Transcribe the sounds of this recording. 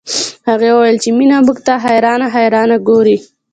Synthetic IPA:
haɣewəwajəlt͡ʃeminamukt̪aɦajɾɑnaɦajɾɑːnaɡoɾi

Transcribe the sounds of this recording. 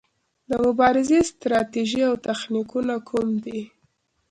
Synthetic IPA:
d̪əmʊbɑɾɪzest̪ɾɑt̪eʒiawt̪axnikunakʰumd̪i

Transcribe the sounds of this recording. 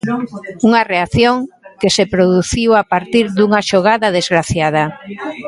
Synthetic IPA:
uŋɐreaθjoŋkesepɾoðuθiwapaɾt̪iɾðuŋaʃoɣ̞aðɐðezɣɾaθjað̞ɐ

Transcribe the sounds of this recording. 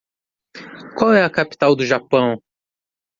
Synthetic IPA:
kʷwawɛɐkapi̥t̪awd̪ʊʒapɐ̃w̃

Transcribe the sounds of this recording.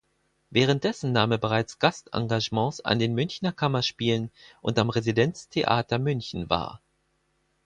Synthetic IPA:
vɛːʁ̞ənt̚d̥ɛsn̩naːmɛɐbəʁ̞aɪt͡sɡ̥astʔa̰ŋɡaʒmɑ̃sa̰ndeːnmʏnçnɐkʰamɐʃpiːlənʔʊ̰ntamʁezidɛnt͡stʰeʔa̰ːtɐmʏnçn̩va̰ːɐ

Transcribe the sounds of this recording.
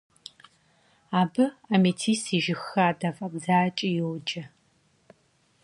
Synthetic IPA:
aːbɨɐmeːtʰiːsiːʒɪxaːdɐfʼɐbzaːt͡ʃʼijɪwd͡ʒɐ

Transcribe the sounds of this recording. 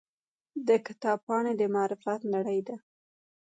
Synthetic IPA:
d̪əkɪ̥t̪ɑb̚pɑɳed̪əmɑɾɪfat̪naɽəjd̪a

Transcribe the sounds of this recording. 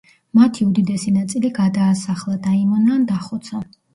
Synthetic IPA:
mat̪ʰiud̪id̪ɛsinat̪sʼiliɡad̪aːsaχlˠad̪aimɔnaːnd̪aχɔt̪sʰa

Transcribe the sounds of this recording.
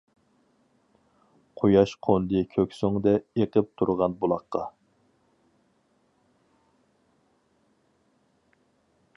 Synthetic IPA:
qʰojɑʃqʰond̪ɨkʲʰøkʲsyŋd̪ɛeqəp̚t̪ʰuɾʁɑnbulˠɑχqːɑ

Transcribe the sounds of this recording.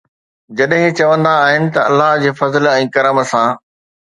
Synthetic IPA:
d͡ʑɐɗɦɪ̃t͡ɕɐʋə̃nd̪aːɦɪnɪ̆t̪ɐɐlːaɦd͡ʑeːfɐzəlɛ̃ːkɐɾəmsãː

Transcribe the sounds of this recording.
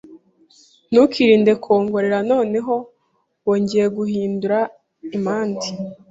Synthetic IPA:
nukʰiɾiːnde̞kʰo̞ːŋɡo̞ɾeɾano̞ːne̞ɦo̞ | wo̞ːɲɟijeɡuhiːnduɾa | imaːndi

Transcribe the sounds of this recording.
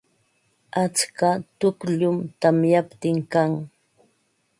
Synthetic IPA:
at͡skat̪ʊkʎʊmt̪amjapt̪ɪŋkaŋ

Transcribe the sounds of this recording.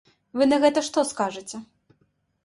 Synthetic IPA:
vɨnɐɣɛt̪ɐʂt̪ɔskaʐɨt͡sʲɛ

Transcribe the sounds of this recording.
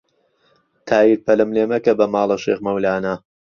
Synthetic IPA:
t̪ʰaːjiɾ̚pʰɐlɨmleːmɐkɐbɐmaːlˠɐʃḛːxmɐwlaːnɐ

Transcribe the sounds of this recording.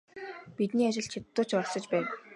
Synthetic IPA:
pit̪niːat͡ɕɪ̆ɬt͡ɕʰit̪ːʊːt͡ɕpɔɮsɞ̆t͡ɕpæːn

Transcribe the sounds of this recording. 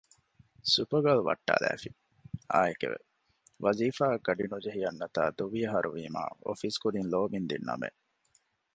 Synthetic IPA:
supɐɡɐluʋɐ̰ʈːa̰ːlæ̰ːfi | aːekḛʋḛ | ʋɐziːfaːɡɐɖinud͡ʒeɦijɐnːɐt̪a̰ːd̪uʋijɐɦɐɾʔuʋiːma̰ːofiskud̪inloːmind̪inːɐ̰mḛ

